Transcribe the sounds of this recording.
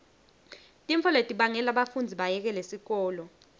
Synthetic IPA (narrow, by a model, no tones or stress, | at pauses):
tʼiɱfʰɔletʼiɓaŋɛlaɓafund͡zʱiɓajɛk̬ɛlesik̬ɔːlɔ